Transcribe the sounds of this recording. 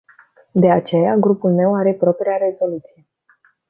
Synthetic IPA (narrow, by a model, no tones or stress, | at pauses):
d̪e̞at͡ʃe̞jaɡɾupulme̞waɾe̞pɾo̞pɾeaɾe̞zo̞lut̪sije̞